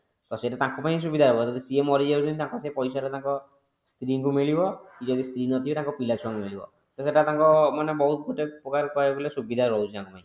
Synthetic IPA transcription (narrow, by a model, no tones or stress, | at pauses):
sɔsetet̪ãkupaĩs̬ubid̪ʱaɦebɔd͡ʒɔd̪isiemɔɾid͡ʒeud͡ʒʰɔnit̪ãŋkɔsepɔjsaɾet̪ãŋkɔ | stɾiŋkumeɭibɔkid͡ʒɔd̪ist̪ɾinɔt̪ʰibet̪ãkɔpilat͡ʃʰɔŋmeɭibɔ̰ | t̪ɔseʈat̪ãŋkɔmanebɔɦut̪̚ɡʱoʈepɔkaɾkɔɾebulesubid̪ʱaɾɔɦut͡ʃʰit̪ãŋkupaĩ